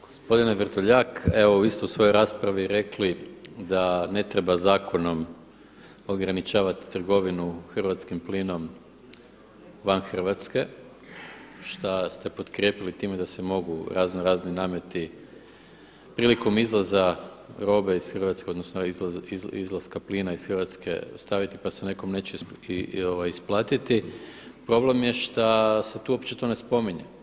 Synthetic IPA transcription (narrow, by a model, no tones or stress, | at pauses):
ɡ̥ospo̞d̪ineʋrt̪oʎakeʋouist̪ousʋo̞joɾaːspɾaʋiɾe̞klid̪ane̞t̪ɾe̞bazaːko̞no̞m | o̞ɡɾanit͡ʃaːʋat̪i̥t̪r̩ɡo̞ʋinuxr̩ʋat̪skimpliːno̞m | ʋanxr̩ʋat̪ske̞ | ʃt̪ast̪e̞po̞t̪kɾjeːpilit̪iːmed̪ase̞mo̞ɡuɾaːznoɾaːzninaːmje̞t̪i | pɾiːliko̞mizlˠaza | ɾo̞ːbeisxrʋat̪ske̞o̞d̪nosnoizḭzlˠaskapliːnaisxrʋat̪skḛost̪aʋit̪i̥pasene̞ko̞mne̞ːt͡ɕe | oʋajisplˠaːt̪it̪i | pɾo̞ble̞mje̞ʃt̪ase̞t̪uːo̞pt͡ɕt͡ʃet̪oːne̞spo̞miɲe